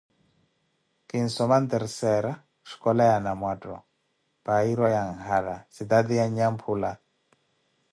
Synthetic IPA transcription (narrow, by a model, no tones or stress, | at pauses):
kʼin̩sɔmant̪ɛɾsɛɾa | ʃi̥kɔlajanamwatʼɔ̰ | baiɾɔjaŋhalasid̪ad̪ijaɲampʰula